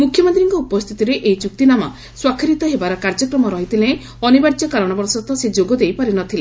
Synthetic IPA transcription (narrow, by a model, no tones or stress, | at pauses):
mukʰːjɔmɔnd̪iɾiŋkɔupɔst̪ʰit̪iɾeʔeit͡ʃuk̚t̪inamɔ̰ | swakʰiɾit̪ɔɦebaɾɔkaɾd͡ʒɔkɾɔmɔɾɔɦit̪ʰilẽ | ɔnibaɾt͡ʃɔkalɔɽ̃ɔbɔɾsɔt̪ɔsed͡ʒoɡɔd̪ejpaɾinɔt̪ʰile